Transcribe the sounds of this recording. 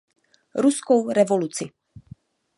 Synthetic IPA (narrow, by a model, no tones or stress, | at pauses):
ɾuskowɾɛvolut͡sɪ